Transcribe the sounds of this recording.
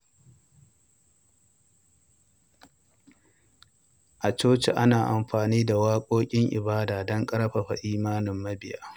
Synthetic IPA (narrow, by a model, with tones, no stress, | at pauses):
ʔa˨t͡ʃoː˦t͡ʃe˨ʔa˦naː˨ʔa˨mɸaː˨niː˦da˨waː˦kʷʼoː˦kʲʼɪ˦ŋʔɪ̰˨baː˦daː˨dɐ˦ŋkʼɐ˦ɾɸa˨ɸa̰˨ʔiː˦maː˦nɪ˨mːɐ˦bɪ˨ja̰ː˦